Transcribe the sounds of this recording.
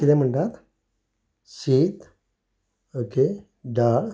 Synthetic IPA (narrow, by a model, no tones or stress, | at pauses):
id̪em̤əɳʈat̪ | ɕiːt̪ | oke | ɖaːɽ